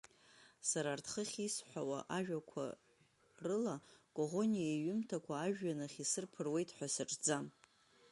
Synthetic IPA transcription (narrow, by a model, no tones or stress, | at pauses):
saɾaːrtʰχəχʲisħʷawaʔaʒᶣakʷʰa̰ | rɨlakʼoʁo̞nijaiɥʊmtʰakʷʰaːʒᶣːanɨχʲisɨrpʰɨrwe̞jtʰʼħʷasɨʈ͡ʂʼʰd͡zam